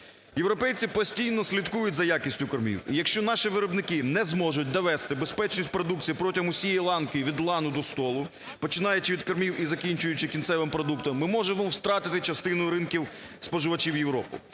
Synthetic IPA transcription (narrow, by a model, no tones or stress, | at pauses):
jewɾɔpɛjt͡sʲipɔsʲtʲijnɔsʲlʲid̪kujʊtʲzɐjakʲisʲtʲʊkɐrmʲḭwijɐkʃt͡ʃɔnɑʃiʋɪɾɔbnɪkɪnɛzmɔʒʊt̚ʲd̪ɔʋɛst̪ɪbespɛt͡ʃnʲisʲt̚ʲpɾɔd̪uk̚t͡sʲijipɾɔtʲimʊsʲijɛjlˠɑnkɔjiʋʲid̪lˠɑnʊd̪ɔst̪ɔlˠʊ | pɔt͡ʃɪnɑjɛt͡ʃɪʋʲid̪kɐɾmʲiwizɐkʲinʲt͡ʃʊjʊt͡ʃɪkʲint̪sɛʋɪmpɾɔd̪ukt̪ɔmːɪmɔʒemɔwst̪ɾɑt̪ɪt̪ɪt͡ʃɐst̪ɪnʊjʊɾɪnkʲiwspɔʒɪʋɐt͡ʃiwjewɾɔpʊ̰